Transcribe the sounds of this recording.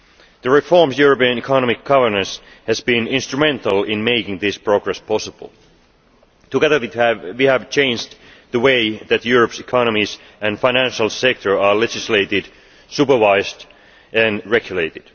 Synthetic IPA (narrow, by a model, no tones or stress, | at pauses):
ðəɹɪfɔɹmsjuɹəpiə̃nikʰɑnɔmɪk̚ɡ̥ʌvə˞nə̃ns | hæzbĩnɪ̃nst̪ɹ̥umɛ̃nt̪əlˠɪ̃nmeɪkɪ̃ŋðɪspɹ̥oɡɹɛspʰɔsəb̥ə̰l̩ˠ | t̪uɡɛðə˞iwihævt͡ʃʰẽɪ̃nd͡ʒd | ðəweɪðæt̪juɹəpsikʰɑnəmis | ʔæ̃nfãɪnæ̃nʃəl̩ˠsɛk̚t̪ʰə˞ɑlɛd͡ʒɪsleɪt̪ɪd | supə˞vaɪzd | ʔæ̃nɹɛɡjuleɪt̪ɪd̥